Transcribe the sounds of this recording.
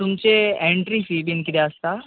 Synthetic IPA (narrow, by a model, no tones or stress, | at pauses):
t̪ʊmt͡ʃeɛ̃ɳʈɾifibʱinkiɾjaːst̪a